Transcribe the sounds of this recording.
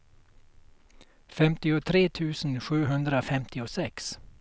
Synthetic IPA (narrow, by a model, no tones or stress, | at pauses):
fɛmt̪ɪʊt̪ʰɾeːt̪ʰʉ̟ːsənɧʉ̟ːɦɵnd̪ɾafɛmt̪ɪʊsɛks